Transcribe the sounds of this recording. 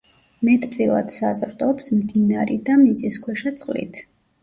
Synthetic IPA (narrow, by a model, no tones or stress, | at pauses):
mɛt̪ʼt̪sʼilˠa̰d̪̥sazɾd̪ɔpsmd̪inaɾid̪amit̪sʼiskʰwɛʃat̪sʼqʼlḭt̪ʰ